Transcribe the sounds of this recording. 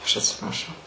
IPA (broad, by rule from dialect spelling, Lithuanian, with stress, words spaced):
ˈɐʃ ɐtʲsʲɪprɐˈʃɐʊ